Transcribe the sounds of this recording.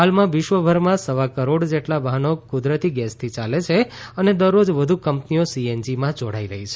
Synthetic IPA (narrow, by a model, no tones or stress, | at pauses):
ɦalmãʋɪʃʋəbʱəɾmãsəʋakəɾoɽd͡ʒeʈlaʋəɦnokʊd̪ɾət̪iɡɛst̪ʰit͡ʃalet͡ʃʰeəned̪əɾːod͡ʒʋəd̪ʱukəmpnijosiend͡ʒimãd͡ʒoɽaiɾəɦit͡ʃʰe